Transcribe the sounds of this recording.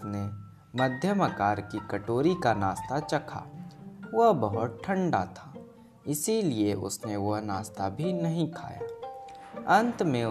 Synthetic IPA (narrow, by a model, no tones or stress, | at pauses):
ne | mɐd̪ʱjəmɐkaːɾkikɐʈoːɾikanaːst̪at͡ʃɐkʰa̰ːʋɐɦbɐɦʊt̪̚ʈʰə̃ɳɖat̪ʰaː | ɪsilieʔʊ̰sneʋɐɦnaːst̪abʱinɐɦĩkʰa̰ːja̰ː | ɐ̃nt̪mẽ